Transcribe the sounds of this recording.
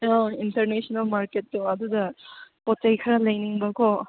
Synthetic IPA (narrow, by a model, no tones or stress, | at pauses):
ɔintɐɾnesɔnɐlmaɾketːuɐdudɐpɔt͡ʃajkʰɐɾalɐjniŋbɐkɔ